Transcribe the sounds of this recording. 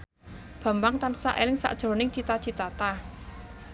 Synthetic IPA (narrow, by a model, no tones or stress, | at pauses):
b̥a̤mbaŋt̪ansa̰ʔelɪŋsa̰ʔd̥ʒ̥ɾo̤nɪŋt͡ʃit̪ḁt͡ʃi̤t̪at̪a